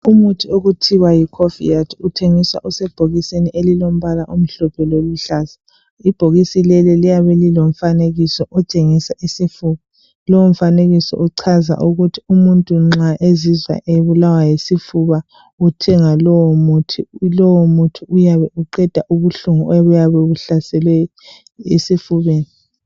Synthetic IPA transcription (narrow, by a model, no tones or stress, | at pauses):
umutʰioɣutʰiwajikʰofḭjatʰutʰeŋiswa̰ʔusɛb̥ʱoɣiseniʔelilom̩βalaʔum̩ɬɔpʰɛloluɬaza | ib̥ʱoɣisilɛlɛlijaβɛlilom̩faneɣisɔʔɔt͡ʃʼeŋisaʔisifuβa | lɔwom̩faneɣisɔ̰ʔuǀʰaza̰ʔuɣutʰi̥umuntʼuŋ͡ǁaʔezizwa̰ʔeβulawajesifuβa | utʰɛŋalɔwɔmutʰilɔwomutʰiujaβɛʔuǃɛd̥ʱaʔuβuɬuŋuɔβujaβɛβuɬasɛlwɛ | ḛsifuβeːni